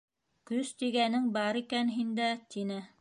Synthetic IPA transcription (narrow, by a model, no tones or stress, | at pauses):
kɵst̪iɡænɘŋbɑɾikænɦind̪æt̪inɘ